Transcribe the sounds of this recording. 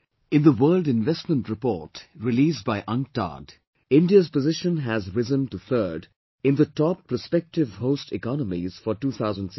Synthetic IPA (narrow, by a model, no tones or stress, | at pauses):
ɪ̃nðəwɜːldɪ̃nvɛstmə̃ntɹɪpɔ̰ːtɹɪliːsbaɪʔʌ̃ŋ̚ta̰d | ɪ̃ndiəzpəzɪʃə̃nɦæzɹɪzə̃nʈuθɜː˞d | ɪ̃nd̪ətɔpːəspɛk̚tɪvɦoʊstɪkɑnəmiz̥fɔʈuːt̪ʰaʊzə̃n̩ds